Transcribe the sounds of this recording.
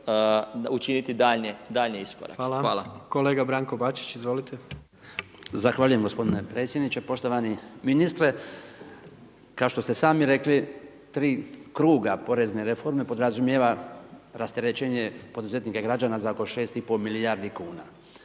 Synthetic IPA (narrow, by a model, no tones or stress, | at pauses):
ut͡ʃinit̪id̪aːʎɲed̪aʎɲiisko̰ɾa̰kːlaaːlako̞leːɡabɾaːŋkobat͡ʃi̥t͡ʃizʋolit̪ʰe | zaxʋaʎuje̞mɡo̞spo̞d̪inepɾe̞ːt̪sjed̪nit͡ʃepo̞ʃt̪o̞ʋaniminist̪ɾe | kaoʃt̪o̞st̪esaːmiɾe̞kli | t̪ɾiːkɾuːɡapo̞ɾe̞zne̞ɾefo̞ɾme̞po̞d̪ɾazumjeʋaɾast̪e̞ɾet͡ʃeɲepo̞d̪uze̞t̪nikaɡɾad͡ʒaːnazaoko̞ʃe̞ːst̪ipo̞milijaɾd̪ikuːna